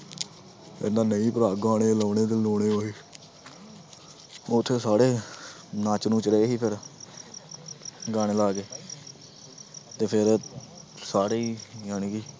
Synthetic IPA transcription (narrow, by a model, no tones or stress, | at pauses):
ḛːnãːnəĩːpəɾaːɡaːɽ̃eːloːneːd̪eːloːɽeːoːiː | oːt̪ʰːeːsaːɽeː | naːt͡ʃnũːt͡ʃəɾeːɦiːpʰɪɾ | ɡaːɽ̃eːlaːɡeː | t̪eːpʰɪɾ | saːɽeːiːjaːnɪkiː